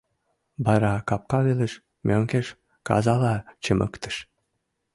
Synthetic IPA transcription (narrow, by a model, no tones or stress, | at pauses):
bɑɾɑkɑp̚kɑβelə̆ʃ | mʲøŋkeʃ | kɑ̰zɑlɑt͡ɕəmʔə̰kt̪ə̥̆ʃ